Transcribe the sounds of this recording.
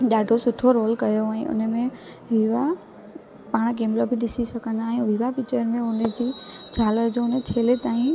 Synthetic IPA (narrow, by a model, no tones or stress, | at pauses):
ɗaːɖʱosʊʈʰoɾoːlkɐjoɛ̃ːʔʊ̰nəmẽ | ʋiʋa | paːɽ̃kẽːmlobʱɪɗɪsisɐkʰə̃nd̪aɛ̃ʋiʋapit͡ɕəɾmẽʊnəd͡ʑiːd͡ʑʱaːləd͡ʑoʊnt͡ɕʰeːlet̪aːĩ